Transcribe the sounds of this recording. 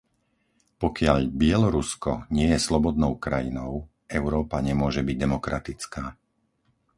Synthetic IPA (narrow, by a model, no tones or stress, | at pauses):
pɔkɪaʎbɪɛlɔɾuskɔɲɪɛjɛslɔbɔd̪nɔʊkɾajinɔʊ | ʔɛʊɾɔːpaɲɛmʊɔʒɛbiɟ̚d̪ɛmɔkɾʔat̪it͡skaː